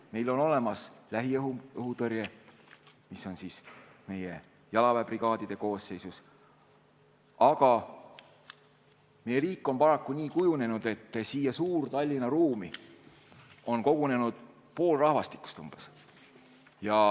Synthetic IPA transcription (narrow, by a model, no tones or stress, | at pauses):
me̞jlo̞no̞le̞mɑslæɦiɦuɤɦut̪ɤɾje | miso̞nsiːsme̞je | jɑlɑvæbriɡ̥ɑːd̪̥id̪̥e̞ko̞ːsːe̞jsus | ɑɡ̥ɑ | me̞jeɾiːkːˑo̞mpɑɾɑkˑːunʲiːkujune̞nud̪̥e̞t̪ːsiːjɑsuːrt̪ɑlʲːinɑɾuːmi | o̞nko̞ɡ̥une̞nud̪̥̚ | po̞ːlrɑhvɑst̪i̥kːˑu̥st̪ṵmb̥es | jɑ